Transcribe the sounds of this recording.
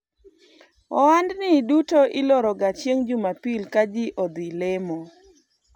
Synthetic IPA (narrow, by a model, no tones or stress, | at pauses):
ɔwandnɪdutoʔɪlɔɾɔɡat͡ʃjeŋd͡ʒʊmapilkad͡ʒɪʔɔd̪ilemɔ